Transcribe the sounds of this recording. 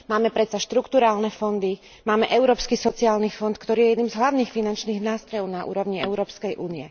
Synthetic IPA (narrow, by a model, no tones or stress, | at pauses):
maːmɛpɾɛt̪t͡saʃt̪ɾukt̪uɾaːlnɛfɔnd̪i | maːmɛʔɛʊɾɔːpskisɔt͡siaːlnifɔnt̪kt̪ɔɾiːjɛjɛd̪niːmzɦlaʊniːxfinant͡ʃniːɣnaːst̪ɾɔjɔʊnaʔṵːɾɔʊɲiɛʊɾɔːpskɛjʔuːniɛ